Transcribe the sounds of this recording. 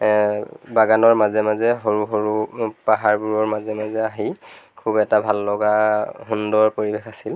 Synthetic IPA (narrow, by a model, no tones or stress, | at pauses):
baɡanɔɹmazɛmazɛɦoɹuɦoɹupaɦaɹbuɹɔɹmazɛmazɛaɦikʰubɛtabʱalːɔɡaɦundɔɹpoɹibexasil